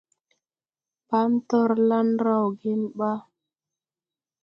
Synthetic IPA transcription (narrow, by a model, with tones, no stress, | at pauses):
pa˦n˦tɔ˦˨ɾla˦n˦ɾa˦˨wɡe˦nɓa˦